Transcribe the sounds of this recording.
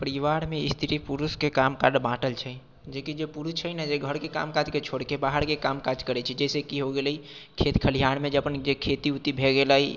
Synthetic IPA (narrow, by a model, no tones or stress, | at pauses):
pəɾiʋaɽmeist̪ʰiʈipuɾuskekamkaɖbãʈəlt͡ʃʰɛ | d͡ʒekid͡ʒepuɾut͡ʃʰənəd͡ʒeɡʱəɽkeka̰mkad͡ʒket͡ʃʰoɽkebaɦəɾkekamkad͡ʒkəɾɛt͡ʃʰɛd͡ʒɛsekiɦoɡeləi | kʰet̪kʰəlijaɽ̃med͡ʒəpənd͡ʒekʰet̪iut̪ibʱeɡelai